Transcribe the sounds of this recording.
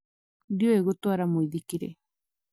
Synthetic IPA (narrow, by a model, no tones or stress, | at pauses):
djoeɡot̪uaɾamoid̪ikiɾḛ